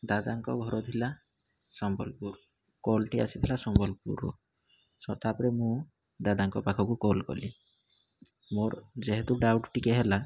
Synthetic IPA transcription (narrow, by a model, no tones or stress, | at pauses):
d̪ad̪aŋkɔ̰ɡʱɔɾɔt̪ʰila | sɔmbɔ̰lpuɾ | kolʈia̰sit̪ʰilasɔmbɔlpṵɾṵ | sɔt̪apɔɾemũ | d̪ad̪aŋkɔpakʰɔkukolkɔ̰li | moɾd͡ʒeɦet̪uɖawʈʈikeɦela